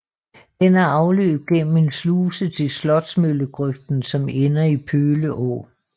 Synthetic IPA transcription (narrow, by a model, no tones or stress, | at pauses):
d̥enæɐɑ̈ʊlø̰ːb̥̚ɡ̥en̰m̩e̝nsluːsət͡sʰe̝lslɒ̽d̥smøləɡ̥ʁœfd̥n̩sɒ̽menɐipʰøːləʔɔ̰ː